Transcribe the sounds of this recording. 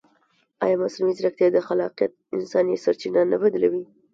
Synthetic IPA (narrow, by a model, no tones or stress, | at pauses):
ɑ̰jɑmaslumizɾakt̪jad̪əxalɑ̰qijat̪̚ɪnsɑnjesaɾt͡ʃinanabad̪lawi